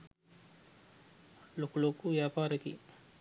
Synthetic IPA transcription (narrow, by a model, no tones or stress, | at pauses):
lokulokuʋjaːpaːɾɐkḭ